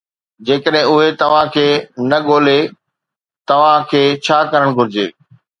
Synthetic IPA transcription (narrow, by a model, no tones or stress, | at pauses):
d͡ʑeːkəɗɦɪ̃ʊɦet̪ɐʋ̤ãkʰeːnɐɠoːle | t̪ɐʋ̤ãkʰeːt͡ɕʰaːkɐɾəɽ̃ɡʱʊɾɪd͡ʑḛː